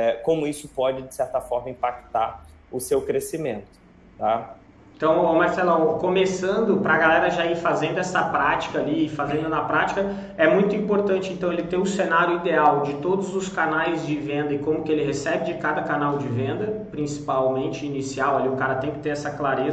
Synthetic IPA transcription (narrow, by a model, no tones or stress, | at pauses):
ɛkõmʊisʊpɔd͡ʒɪd͡ʒɪsɛɾt̪ɐfɔɾmɐĩpakt̪aɾ | ʊsewkɾesimẽnt̪ʊ̥ | t̪a | ẽt̪ɐ̃w̃omaɾsɛlɐ̃wkomesɐ̃nd̪ʊpɾɐɡalɛɾɐʒaiɾfazẽnd̪ʊɛsɐpɾat͡ʃi̥kɐaliɪfazẽnd̪ʊnɐpɾat͡ʃi̥kɐ | ɛmũj̃t̪ʊĩpoɾt̪ɐ̃nt͡ʃɪẽnt̪ɐ̃w̃elɪt̪ẽj̃ʊsenaɾjʊid̪eawd͡ʒɪt̪od̪ʊzʊskanajzd͡ʒɪvẽnd̪ɐɪkõmʊkɪelɪɦesɛbɪd͡ʒɪkad̪ɐkanawd͡ʒɪvẽnd̪ɐpɾĩsi̥pawmẽnt͡ʃɪinisiawaliʊkaɾɐt̪ẽj̃kɪt̪eɾɛsɐklaɾez